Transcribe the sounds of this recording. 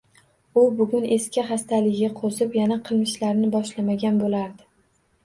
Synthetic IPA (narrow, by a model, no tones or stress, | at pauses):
ʊbʊɡʲʊne̞skʲɪχast̪ʰalɪɡʲaqʰozɪpjanaqʰɨlˠmɪʃlaɾnɪbɒʃlamaɡʲanbolaɾd̪ɪ